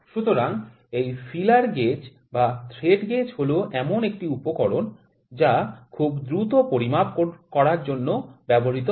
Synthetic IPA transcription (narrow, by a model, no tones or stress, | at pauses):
ʃut̪oɾaŋ | ejfilaɾɡet͡ɕ | bat̪ʰɾeɖɡet͡ɕɦoloʔɛmonek̚ʈiupokɔɾon | d͡ʑakʰubd̪ɾut̪opoɾimabokɔɾaɾd͡ʑonːobɛboɦit̪o